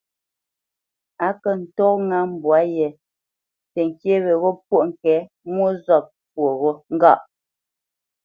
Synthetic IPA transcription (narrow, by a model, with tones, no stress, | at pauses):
a˨˦kə˨n̩˨tɔ˦kŋa˦m̩˨bwa˨˦jɛ˨ | te˨ŋ˨kje˦βe˨ɣo˦p̚wo˦˨ʔŋ̩˨kɛ˨˦ | mwo˦zɔ˦˨p̚pwo˨ɣo˦ŋ̩˦ɡa˦˨ʔ